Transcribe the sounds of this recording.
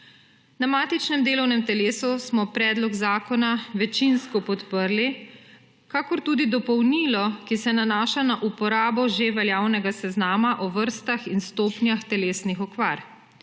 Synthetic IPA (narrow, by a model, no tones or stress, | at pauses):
namaːt̪it͡ʃnɛmd̪eːlɔwnɛmt̪ɛleːsusmɔpɾɛːd̪lɔɡzaːkɔnaʋɛt͡ʃinskɔpɔt̪pəɾli | kakɔɾt̪uːd̪id̪ɔpɔwniːlɔkisɛnanaːʃanaʔupɔɾaːbɔʒeʋɛljaːwnɛɡasɛznaːmaʔɔʋəɾst̪axinst̪oːpnjaxt̪ɛleːsnixɔkʋaːɾ